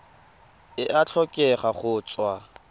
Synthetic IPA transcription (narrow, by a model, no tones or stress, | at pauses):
ɪʔat͡ɬʰɔkʼɛχaχʊːt͡sʼwa